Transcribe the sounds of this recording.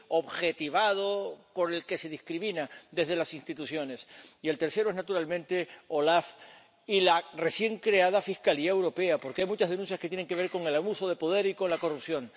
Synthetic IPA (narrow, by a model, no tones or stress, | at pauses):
oβxe̞t̪iβað̞o̞ko̞ne̞lke̞se̞ðiskɾimĩnad̪e̞zðe̞lasĩnst̪it̪uθjo̞ne̞sie̞lt̪eɾse̞ɾoeznat̪uɾalmẽnt̪e̞o̞laf | ilare̞sje̞ŋkɾe̞að̞afihkaliaewɾo̞pe̞apo̞ɾkeajmut͡ʃazɦðe̞nũnθjaske̞t̪jeneŋke̞βeɾko̞ŋe̞laβuso̞ð̞e̞po̞ð̞e̞ɾiko̞nlako̞rupθjo̞ŋ